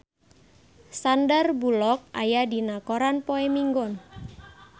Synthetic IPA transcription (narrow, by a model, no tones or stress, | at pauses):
sandərbulɔk̚ʔa̰jadinakoɾanpoemiŋɡɔn